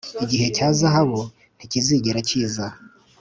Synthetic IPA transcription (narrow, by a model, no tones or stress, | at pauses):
iɟiɦe̞caːzaɦaβo̞ | n̥iciziɟiɾaciːza